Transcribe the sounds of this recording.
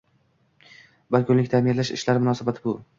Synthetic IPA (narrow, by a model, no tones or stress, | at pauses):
bɪlkʰʲʊnlɪkʲt̪ʰamɪnlaʃɪ̰ʃlaɾmʊnɒːsabat̪ʰɪbʊ